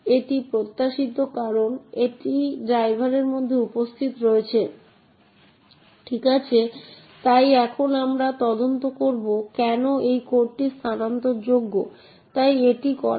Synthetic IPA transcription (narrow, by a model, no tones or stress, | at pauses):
eʈipɾot̪ːaʃit̪okaɾoneʈiɖɾajbʱaɾeɾmod̪ʱːeupost̪ʰit̪ɾoet͡ɕʰe | ʈʰikat͡ɕʰe | t̪ajɛkʰonamɾat̪ɔd̪ont̪okoɾbokɛnoʔejkoɾʈist̪ʰanant̪oɾd͡ʑoɡːo | t̪ajeʈikɔ̰ɾ